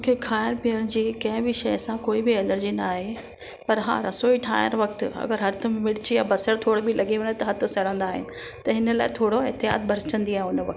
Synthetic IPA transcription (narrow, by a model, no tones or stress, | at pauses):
mũkʰeːkʰaːəñpiəɽ̃d͡ʑiːkɐ̃ɦɪ̃bɪʃɐjsãkoːibɪɛləɾd͡ʑinaːɦe | pɐɾɦã̰ːɾɐsoːiʈʰa̰ːjə̰ñʋɐk̚t̪ɪɐ̰ɡəɾɦɐɾt̪ʰɐmmɪɽt͡ɕijaːbɐsəɾt̪ʰoːɽobɪlɐɠiʋɐ̃ɲet̪ɐɦɐt̪ʰʊ̆sɐɽ̤ə̃nd̪aːɦɪ̰nɪ̆ | t̪ɐɦɪnəlaːɪt̪ʰoːɽoɦɪt̪ːɪɦa̰ːt̪̚bʱɐɾt͡ɕə̃nd̪iaːɦẽʊnəʋɐk̚t̪